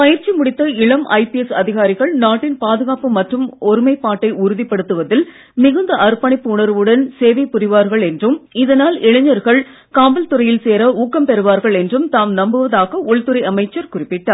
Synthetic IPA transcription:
pɐjɪɾt͡ʃimʊɽɪt̪ːɐɪɭɐmʔɐ̰ɪpɪɛsɐðɪɣaːɾɪɣɐɭnaːʈːɪnpaːðɯɣaːpɯmɐʈrɯmɔɾɯmɐɪpːaːʈːɐɪʊɾɯðɪpːɐɽɯt̪ːɯʋɐðɪl | mɪɣɐnd̪ɐʔɐɾpːɐɳɪpːɯʊɳɐɾɯʋɯɽɐnseːʋɐɪpːʊɾɪʋaːɾɣɐɭɛndrɯmɪðɐnaːlɪɭɐɲːɐɾɣɐɭ | kaːbɐlt̪ɯrɐjɪlseːɾɐuːkːɐmpɛɾɯʋaːɾɣɐɭɛndrɯmt̪aːmnɐmbɯʋɐðaːɣɐʔʊɭt̪ɯɾɐɪɐmɐɪt͡ʃːɐɾkʊrɪpːɪʈːaːɾ

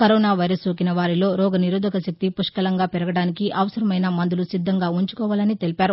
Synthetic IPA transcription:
kɐɾɔːnaːʋɐjɾɐsoːkinɐʋaːɾilo̞ːɾɔːɡɐniɾuːd̪ʱɐkɐsɐk̚t̪ipuʂkɐlɐŋɡaːpɛɾɐɡɐɽaːnikiɐʋɐsɐɾɐmɐjnɐmɐnd̪ulusid̪ʱːɐŋɡaːuɲt͡ʃu̥kɔːʋaːlɐnit̪e̞lipaːɾu

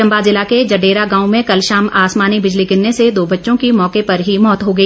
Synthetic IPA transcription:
ɐ̃mbazɪlaked͡ʒɐɖeːɾaɡãːũmẽkɐlʃaːmaːsmaːnibɪd͡ʒliɡɪnːesed̪oːbɐtːʃõkimɔːkepɐɾɦimɔːt̪ɦoɡɐiː

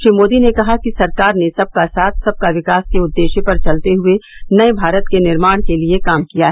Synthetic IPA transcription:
ʃɾiːmoːd̪inekɐɦakisɐɾkaːɾnesɐb̚kasaːt̪ʰsɐb̚kaʋɪkaːskeʊd̪ːeːʃepɐɾt͡ʃɐlt̪eɦʊenɐebʱaːɾət̪kenɪɾmaːɽ̃keliekaːmkijaɦɛɛ

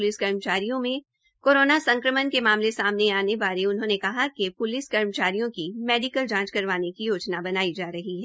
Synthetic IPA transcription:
ʊlɪskɐɾmət͡ʃaːɾijõmẽ | koːɾoːnasɐ̃ŋkɾəmənkemaːmlesaːmneaːneʋaːɾeʊnɦõːnekɐɦakepʊlɪskɐɾmət͡ʃaːɾijõkimɛːɖɪkəld͡ʒãːt͡ʃkɐɾʋaːnekijoːd͡ʒnabɐnaːid͡ʒaːɾɐɦiɦɛː

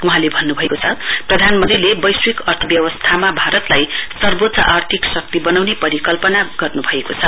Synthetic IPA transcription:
uɦãlebʱʌnːubʱʌekot͡sʰʌprʌd̪ʱanmʌnd̪ilebʌjswikʌrt̪ʰʌbjʌwʌst̪ʰamabʱaɾʌt̪lajsʌrbot̪sʌʔart̪ʰiksʌk̚t̪ibʌnawnepʌɾikʌlpʌnaɡʌrnubʱʌekot͡sʰʌ

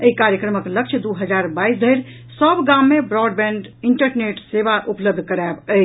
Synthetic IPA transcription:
eikaɾjəkɾəməkləkt͡ʃʰd̪uɦəd͡ʒaɾbaisd̪ʱəɾ | səbɡãmːebɾɔɖbɛ̃ɳɖ | iɳʈəɾneʈsebaʔupləb̚d̪ʱkəɾabə

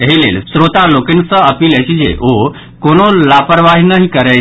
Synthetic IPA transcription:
eɦilḛːlsɾoːt̪alokɪnsə̃əpiːlɛt͡ʃʰid͡ʒḛʔo | koːnolaːpəɾʋaɦinəɦikəɾɛ

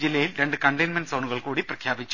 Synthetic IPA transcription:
d͡ʑilːɐjilɾe̞ɳɖɨkɐɳɖɐjnmɐnɖsɐwɳuɣɐɭkuːɽiprɐkʰjaːbit͡ɕː

